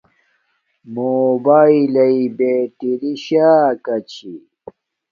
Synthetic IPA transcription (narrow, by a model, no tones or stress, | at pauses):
moːbaːilɐibeːʈiɾiɕaːkɐt͡ɕʰi